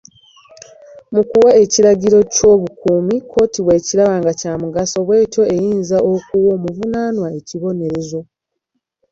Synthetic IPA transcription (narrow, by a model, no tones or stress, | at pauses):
mukuwae̞ciɾaɟiɾo̞co̞ːβukuːmikʰo̞ːtiβwe̞ːciɾaβaːŋɡacaːmuɡaso̞βwe̞ːto̞e̞jiːnzaʔo̞kuwo̞ːmuvunanwae̞ciβo̞ne̞ɾe̞zo̞